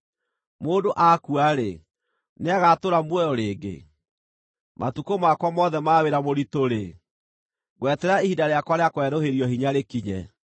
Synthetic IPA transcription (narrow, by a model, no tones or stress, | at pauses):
moːdoʔakuaɾe | neaɣatoɾamwɛjɔɾeːɡḛ | mʔa̰tukomakwamɔðɛmaweɾamoɾitoɾe | ɣwɛtɛɾaihidaɾeakwaɾeakwɛɾoheɾiɔhiɲaɾekiɲɛ